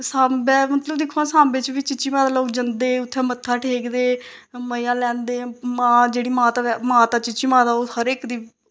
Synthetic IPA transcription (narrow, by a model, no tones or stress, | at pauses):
saːbɛːmət̪ləbd̪ɪkʰːoãːsãːmbet͡ʃʋiːt͡ʃɪt͡ʃːiːmãːd̪aːloːkd͡ʒənd̪eːʊt̪ʰːɛ̃ːmət̪ʰːaːʈʰeːkd̪eːməjãːlɛ̃ːnd̪eːmãːd͡ʒeːɽiːmãːt̪aːɛmãːt̪aːt͡ʃɪt͡ʃiːmãːd̪aːohəɾeːkd̪iː